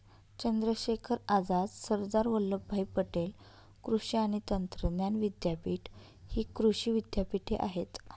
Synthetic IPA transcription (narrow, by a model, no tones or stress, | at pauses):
t͡ɕənd̪ɾəɕekʰəɾad͡zad̪səɾd̪aɾʋəlləbʱajpəʈel | kɾuɕiaɽ̃it̪ənt̪ɾənjanʋid̪japiːʈ | hiːkɾuɕiːʋid̪japiʈʰeʔa̰ɦet̪